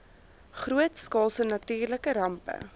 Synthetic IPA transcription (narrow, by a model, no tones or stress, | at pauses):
χruətskɑːlˠsənɐtiːrləkəɾɐmpə̰